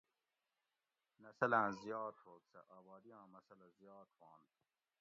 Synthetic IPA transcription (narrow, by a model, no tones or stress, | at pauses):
nɐsɐlãːzijɑːt̪ʰoːksɐ̰ʔaːbɑːd̪ijãːmɐsɐlɐzjɑːt̪ʰwɑ̃ːn